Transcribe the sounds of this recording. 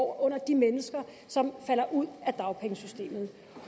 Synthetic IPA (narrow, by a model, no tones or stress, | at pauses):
ɔ̽n̰ɐd̥imenəsɡ̥ɐ | sɒ̽mfæl̰ɐʔuð̞̰ˠæd̥ɑ̈ʊpʰeŋəsysd̥e̝̰ːmð̞̩ˠ